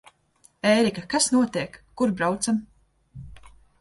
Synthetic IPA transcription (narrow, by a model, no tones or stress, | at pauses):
ɛːɾikakasnuɔt̪iɛkːuɾbɾawt̪sam